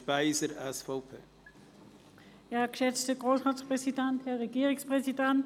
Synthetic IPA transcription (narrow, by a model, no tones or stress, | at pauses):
vaɪzəɾasfoːpʰə̰ | jaːɐkʃɛt͡stəɡʁoːsʁaspʁɛsidɛnthɛɐʁeɡiːʁɪspʁ̥ɛsidɛnt